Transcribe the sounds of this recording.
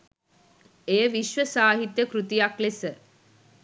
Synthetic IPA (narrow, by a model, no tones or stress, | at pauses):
eːʋiʃʋəsaːɦit̪jəkɾut̪ijaklesə